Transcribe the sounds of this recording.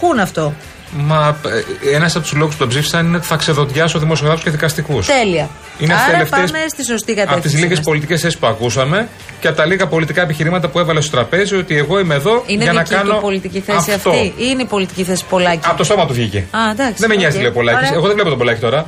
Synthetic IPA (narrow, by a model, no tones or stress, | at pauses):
punɐft̪o̞ | mɐ | enɐsɐpot̪uzlo̞ɣusput̪obzifi̥sɐninet̪θɐkseðo̞d̪ʝɐsoðimosjoɣɾɐfu̥sceðikɐst̪ikust̪eliɐ | ineɐeeleft̪esmest̪is̬ost̪ikɐt̪eizliɣespolit̪ice̞set͡ssi̥puɐkusɐme̞ | ceɐt̪ɐliɣɐpo̞lit̪ikɐepiçiɾimɐt̪ɐpue̞vɐlest̪ost̪ɾɐpe̞zio̞t̪ie̞ɣo̞imeːðo̞ineʝɐnnɐkɐno̞polit̪iciθeɐsiɐft̪oiineipo̞lit̪iciθesi̥po̞lɐcɐpot̪ost̪o̞mɐt̪uvʝicḛɐd̪ɐksðemeɲɐzet̪eleopo̞lɐiseɣoðevlepot̪obolɐcit̪o̞ɾɐ